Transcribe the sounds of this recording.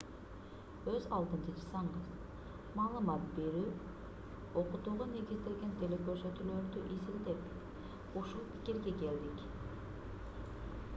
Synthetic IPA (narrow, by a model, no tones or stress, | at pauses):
øzɑlˠd̪ɯnt͡ʃʰɯd͡ʒɯsɑɴɢɯz | mɑːlˠɯmɑt̪̚be̞ɾyː | o̞qut̪uːʁune̞ɡʲizd̪elɡʲe̞nt̪ʰe̞lekøɾsøt̪ylø̞ɾd̪yʔizild̪ep | uʃulˠpʰi̥kʲiɾɡe̞ke̞ld̪ik